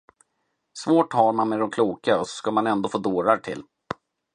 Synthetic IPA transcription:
svoːʈhaɾmanmɛd̪ɔmkʰluːkaɔsɔ̥skamanɛnd̪oːfoːd̪oːɾaɾʈʰɪ̰lː

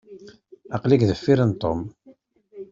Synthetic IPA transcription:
ɑqlikðəfːiɾənt̪ˤom

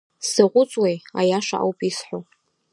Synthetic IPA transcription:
sɨʁʷʊt͡sʼwejajaʂa̰ʔa̰wpʼisħʷo

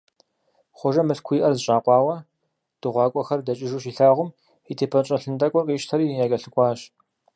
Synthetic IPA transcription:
χʷɔʒɐmɨɬkʷʰijʔɐrzɨɕʼaːqʷɑːwɐ | d̥ɨʁʷɑːkʷʼɔxɐrdɐt͡ʃʼɪʒuːɕiːɬaːʁʷʊm | itʰeːpʰɐt͡ʃʼɐɬɨndʼɐkʷʼɔqʼiːʃtʰɐɾiːjaːkʼɐɬɨkʷʼɑːɕ

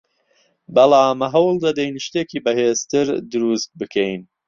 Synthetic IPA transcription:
bɐlaːmɦɐwlˠd̪ɐd̪ɛjnʃt̪eːkiːbɐheːzt̪ɨɾd̪ʊɾust̪̚bɨkʰɛjn

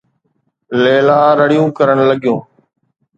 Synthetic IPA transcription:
leːlaːɾəɽijũːkəɾəɳləɠɪjũː

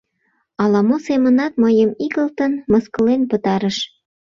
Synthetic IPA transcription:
ɑlɑmosemənɑt̪məjəmikəlt̪ənməskə̆lenpət̪ɑɾəʃ

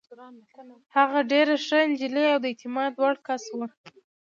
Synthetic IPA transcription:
haɣaɖeɾaʂəɪnd͡ʒileawd̪əet̪ɪmɑd̪wɑɽkaswə

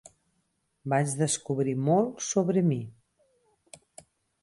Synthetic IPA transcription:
bat͡ʃðəskuβɾimolˠsoβɾəmi

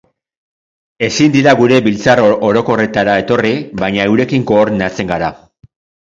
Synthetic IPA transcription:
e̞sind̪iɾaɡuɾe̞bilt͡saro̞ɾo̞ko̞re̞t̪aɾae̞t̪o̞riβajɲae̞wɾe̞kiŋko̞ːɾnat͡se̞ŋɡaɾa

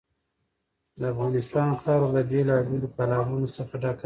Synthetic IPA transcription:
d̪əafɣɑnɪst̪ɑnxt̪ɑɾolabelɑbelopalɑɾunosəxaʈɑka

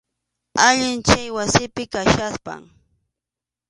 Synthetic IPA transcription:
aʎɪnt͡ʃajwasɪpɪkaʃaspa̰ŋ

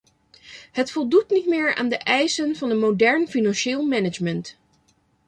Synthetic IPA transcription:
ɦətfɔlˠdutnitmɪːɹa̰ːndəʔɛjsənvɑnəmowdɛɹnfinɑnʃɪːlˠmɛnəd͡ʒmənt

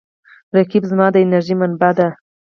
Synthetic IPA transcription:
ɾakibzmɑːd̪əɪnaɾʒimanbad̪a

